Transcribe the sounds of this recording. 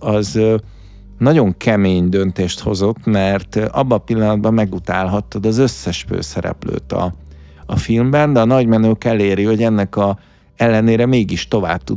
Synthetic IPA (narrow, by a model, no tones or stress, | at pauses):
ɒz | nɒɟo̞ŋkʰɛmeːɲd̪ønt̪eːʃt̪ho̞zo̞t̪ːmɛrt̪ʔɒbːɒpilːɒnɒd̪̚bɒmːɛɡut̪aːlɦɒt̪ːod̪ɒzø̞sːɛʃfø̰ːsɛɾɛ̰plø̰ːt̪ɒ̰ː | filmbɛnd̪ɛɒnɒɟmɛnøːkɛleːɾiho̞ɟɛnːɛkɒ | ɛlːɛneːɾɛmeːɡiʃt̪o̞va̰ːb̚t̪u